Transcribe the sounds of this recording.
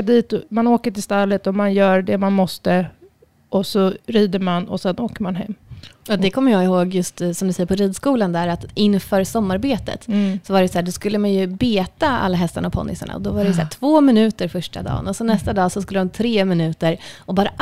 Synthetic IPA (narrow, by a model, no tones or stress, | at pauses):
d̪iːt̪manoːkəʈɪlst̪alːət̪ɔmanjœːɾɖɛmanmɔst̪ə | ʔɔsɔɾiːd̪əɾmanɔ̰sɛnoːkəɾmanɦɛ̰mːɔd̪ɛkʰɔmːəɾjɑːɪhoːɡjɵst̪sɔmd̪ɵsɛjəɾpʰɔɾiːd̪skuːland̪æːɾat̪ɪnːfœːɾsɔmːaɾbeːt̪ə̰t̪sɔvaɾɛsæːɖ̪ɔskɵlːəmanjɵbeːt̪aa̰lːaɦɛst̪aɳaɔpʰɔ̰nːɪsa̰ɳa̰ɔ̰d̪ɔvaɾɛjsæ̰ːʈʰv̥oːmɪnʉ̟ːt̪əɾfœʂʈa̰d̪ɑ̰ːnɔsɔnɛst̪ad̪ɑːsɔskɵlːəd̪ɔmt̪ʰɾeːmɪnʉ̟ːt̪əɾɔbɑːɾa